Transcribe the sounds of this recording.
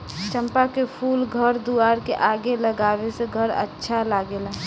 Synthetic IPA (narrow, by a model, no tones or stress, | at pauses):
t͡ʃəmpakepʰuːlɡʱəɾd̪uaɾkeʔaɡeləɡaʋeseɡʱəɾə̰tːʃʰalaɡela